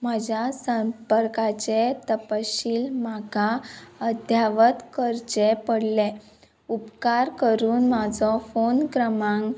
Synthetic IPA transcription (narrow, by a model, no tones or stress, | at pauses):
məd͡ʑʱjasəmpəɾkat͡ɕet̪əpaɕiːlmaɡʱaəd̪ʱjaʋət̪kəɾt͡ɕepəɽlɛ | upkaɾkəɾuːnmad͡zɔfonkɾəmãŋɡ